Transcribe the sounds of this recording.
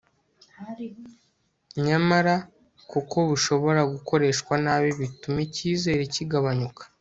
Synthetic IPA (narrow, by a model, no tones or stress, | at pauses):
ɲamaɾa | kuko̞βuʃo̞βo̞ɾaɡuko̞ɾe̞ːʃkwanaːβiβitumiciːze̞ːɾeciɡaβaɲukḁ